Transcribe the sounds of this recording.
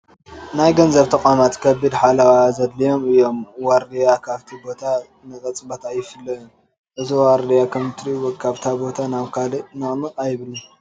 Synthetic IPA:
najɡɐnzɐβt̪ʰɐkʼamat̪kʰɐbid̪ħalɐwazɐd̪lijo̞mɨjːo̞mwaɾd̪ijakʰaβt̪ʰibo̞t̪ʰa | nɨkʼɐt͡sʼbot̪ʰajɪfɨlːɐjom | ʔɨziwaɾd̪ijakʰɐmt̪ʰɾiwɔkʰaβt̪ʰabo̞t̪ʰanaβkʰalinɨʔʼmɨtʼajβɨlu

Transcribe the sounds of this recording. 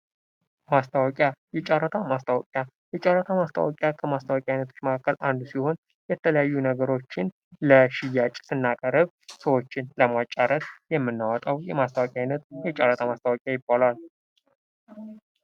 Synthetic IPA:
mast̪ʰawɔkʼjajɛt͡ʃʼaɾːət̪ʰamast̪ʰawɔkʼja | jɛt͡ʃʼarːət̪ʰamast̪ʰa̰wɔkʼjakʰəmast̪ʰawɔkʼjajnət̪ʰo̞t͡ʃːməkʰakːəlʔand̪usiho̞n | jɛt̪ʰələjajːunəɡəɾo̞t͡ʃːɪn | ləʃɪjːat͡ʃʼsɨnːakʼəɾəβ | səwo̞t͡ʃːɪnləmat͡ʃʼːaɾət̪jɛmːɨnːawɔt̪ʼawjɛmast̪ʰawɔkʼjajnət̪jɛt͡ʃʼarət̪ʰamast̪ʰawɔkʼjajɪbːalal

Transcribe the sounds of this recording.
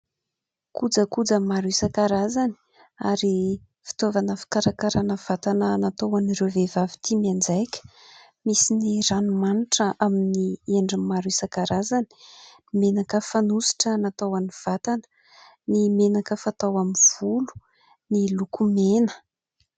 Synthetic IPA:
kud͡zəkud͡zamaɾisakaɾazani̥ | aɾi | fi̥t̪ovanəfi̥kaɾakaɾanəv̥at̪anənat̪owanirewvevavi̥t̪ʰimiand͡zajkʲə̥ | misiniranumaniʈ͡ʂəʔaminieɳɖ͡ʐimaɾisakaɾazani̥ | menakəfanusi̥ʈ͡ʂənat̪awaniv̥at̪anə | nimenakəfat̪awamiv̥ulu̥ | nilukumenə̥

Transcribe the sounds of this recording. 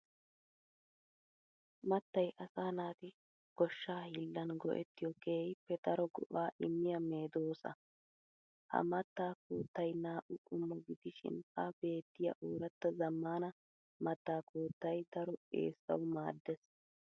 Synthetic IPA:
mɐt̪ːɐjʔɐsaːnaːt̪ɪ | ɡ̥ɔʃːaːhɪlːɐnɡɔ̰ʔɛ̰t̪ːɪjɔkeːjɪpːɛd̪ɐɾɔɡɔ̰ʔaːʔɪmːɪjɐmeːd̪oːsɐ̰ | hɐ̰mɐt̪ːaːkoːt̪ːɐjnaːʔʊkʼʊmːɔɡɪd̪ɪʃɪ̰nɐbe̞ːt̪ːɪjɐ̰ʔuːɾɐt̪ːɐzɐmːaːnɐ | mɐt̪ːaːkuːt̪ːɐjd̪ɐɾɔḛːsːɐ̰wmaːd̪ːɛs

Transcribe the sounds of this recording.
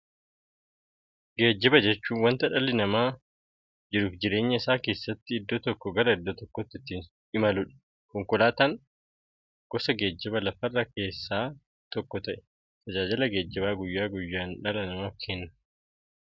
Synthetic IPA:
ɡe̞ːd͡ʒːɪbɐd͡ʒɛt͡ʃːuːnwɐnt̪ɐᶑɐlɪnɐmaː | d͡ʒɪɾuːfd͡ʒɪɾe̞ːɲːɐɪsaːke̞ːsːɐt̪ːɪɪd̪ːɔt̪ɔkːɔɡɐɾɐɪd̪ːɔt̪ɔkːɔt̪ːɪt̪ːin | ɪmɐlʊᶑɐ̥ | kɔŋkɔlaːt̪aŋ | ɡ̥ɔsɐɡe̞ːd͡ʒːɪbɐlɐfɐrːɐke̞ːsːaː | t̪ɔkːɔt̪ɐʔɛ̥ | t̪ɐd͡ʒaːd͡ʒɪlɐɡe̞ːd͡ʒːɪbaːɡʊjːaːɡʊjːaːnᶑɐlɐnɐmaːfkʰenːɐ̥

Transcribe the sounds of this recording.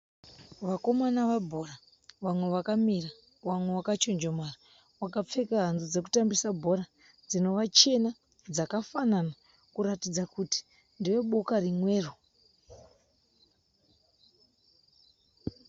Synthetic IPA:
ʋako̞manaʋabʱo̞ra | ʋamwe̞ʋakamira | ʋamwe̞wakat͡ʃond͡ʒomara | wakap͡fe̞kaɦand͡zzud͡ze̞ku̥tambisabʱo̞ɾa | d͡zino̞ʋat͡ʃe̞na | d͡zakafanana | kuɾatid͡zakuti̥ | ndiʋe̞ɓokarimwe̞ːro

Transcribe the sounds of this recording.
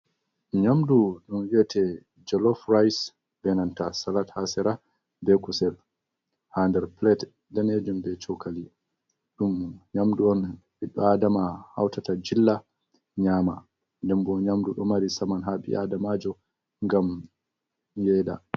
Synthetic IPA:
ɲamduɗumwiɛtɛ | d͡ʒɔlɔfɾajs | bɛnantasalathasɛɾa | bɛkusɛl | handɛɾplɛt | daned͡ʒumbɛt͡ʃɔkali | ɗumɲamduɔnɓiɗːɔadamaha̰wtatad͡ʒilːa | ɲaːma | ndɛmbɔɲamduɗɔmaɾisamanɦaɓḭʔadamad͡ʒɔ | ŋɡam | jɛːda̰

